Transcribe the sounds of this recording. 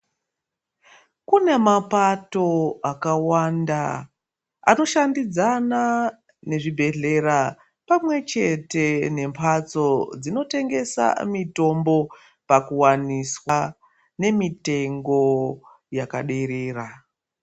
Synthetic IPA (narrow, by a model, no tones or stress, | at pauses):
kune̞mapato̞akawanda | a̰no̞ʃandid͡zana | ne̞ʐibʱe̞ɮe̞ɾa | pamwe̞t͡ʃe̞te̞ne̞mpʰat͡so̞d͡zino̞te̞ŋɡe̞sa̰mito̞mbo̞ | pakuwaniswa | ne̞mite̞ŋɡo̞ | jakaɗe̞ɾe̞ːra